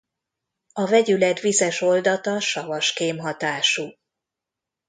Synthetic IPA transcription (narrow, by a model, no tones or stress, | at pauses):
ɒvɛɟylɛt̪vizɛʃo̞ld̪ɒt̪ɒʃɒvɒʃkeːmɦɒt̪aːʃu